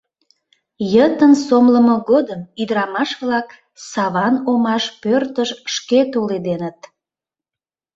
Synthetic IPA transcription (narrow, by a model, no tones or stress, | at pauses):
jət̪ənsomləməɣod̪əmyd̪əɾɑmɑʃβlɑk | sɑβɑnomɑʃpørt̪əʃʃket̪oled̪enət̪̚